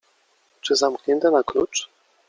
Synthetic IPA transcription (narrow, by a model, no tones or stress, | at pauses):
t͡ʂɘzamkɲʲɛnt̪anaklut͡ʂ